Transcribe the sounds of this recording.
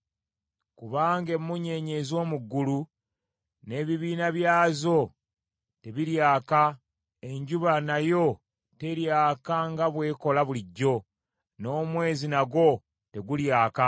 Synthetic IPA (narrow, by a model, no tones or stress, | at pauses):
kuβaːŋɡe̞mːuɲe̞ːɲe̞zo̞ːmuɡːulu | ne̞ːβiβiːnaβjaːzo̞ | te̞βiɾjaːka | e̞ɲɟuβanajo̞ | te̞ɾjaːkaŋɡaβwe̞ːko̞laβuliɟːo̞ | no̞ːmwe̞ːzinaɡo̞ | te̞ɡuljaːka